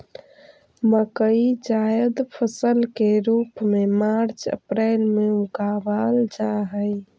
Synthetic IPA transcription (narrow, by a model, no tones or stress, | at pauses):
məkəid͡ʒajəd̪pʰəsəlkeɾuːpmemaɾt͡ʃə̰pɾɛːlmeũkabald͡ʒaɦəj